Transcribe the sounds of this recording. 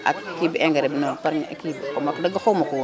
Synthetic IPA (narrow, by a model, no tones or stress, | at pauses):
a̰kkːibiɛŋɡaɾɛbinopaɾɲa̰kibmakdɐɡakomakuw